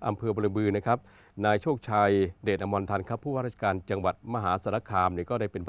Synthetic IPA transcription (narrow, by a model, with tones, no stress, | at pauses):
ʔa˧mpʰɤː˧boː˧lɯ˧bɯː˧na˦˥kʰa˦˥p̚ | naː˧jt͡ɕʰoː˥˩k̚t͡ɕʰaː˧jdeː˨˩t̪̚ʔa˧mbɔ˧nt̪ʰa˧nkʰa˦˥pʰːuː˥˩aː˥ɾt͡ɕʰḁ˧kaː˧nt͡ɕa˧ŋwa˨˩t̪̚ma˧ɦaː˩˦sa˨˧˦na˦˥kʰaː˧mni˧˥˩kɔː˥˩da˥˩jpe˧npʰ